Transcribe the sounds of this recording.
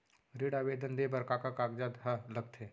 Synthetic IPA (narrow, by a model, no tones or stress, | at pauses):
ɾiɽaːʋeːd̪ənd̪ebɐɾkakakaːɡd͡ʒad̪ɦɐlɐɡ̚t̪ʰe